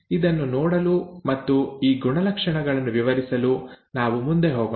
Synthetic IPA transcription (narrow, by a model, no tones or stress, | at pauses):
id̪ɐnːunɔːɽɐlumɐt̪ːuiːɡuɳɐlɐkʂɐɳɐɡɐɭɐnːuʋiʋɐɾisɐlunaːʋumund̪eɦoːɡɐ